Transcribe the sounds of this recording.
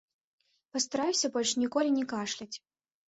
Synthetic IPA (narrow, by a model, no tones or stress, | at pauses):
pɐst̪aɾajusʲɐbɔlʲʂnʲikɔlʲinʲɛkaʂlʲɐt͡sʲ